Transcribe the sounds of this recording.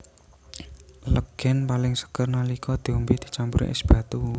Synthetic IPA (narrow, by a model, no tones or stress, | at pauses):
ləɡ̥ɛnpalɪŋsə̥kərnalikʰɔd̪̥i̤umbid̪̥i̤̥t͡ʃampuɾʔḛʔɪ̰sb̥ä̤t̪u